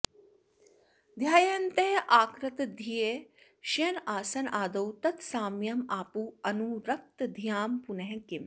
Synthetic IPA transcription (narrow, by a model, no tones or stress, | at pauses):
d̪ʱjaːjɐnt̪eɦʔaːkɾɐt̪d̪ʱijeː | ʃɐnaːsɐnaːd̪ɐwt̪ɐt̪saːmjɐmaːpuɐnuɾɐk̚t̪d̪ʱijaːmpunɐɦẽkim